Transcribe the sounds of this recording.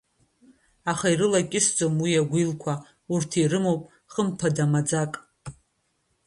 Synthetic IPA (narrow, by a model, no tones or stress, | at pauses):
aχairɨlakʲʼɪsd͡zʼomwiaɡʷilkʷʰa | urtʰirɨmo̞wpʼ | χəmpʰadamad͡zakʼ